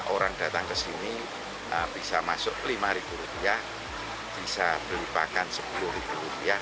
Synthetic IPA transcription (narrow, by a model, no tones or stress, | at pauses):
ʔoɾaŋd̥a̤t̪aŋkəsini | əb̥isamasʊk̚limaɾib̥uɾupiah | b̥isab̥ərlipakansəpulʊhɾib̥uɾupia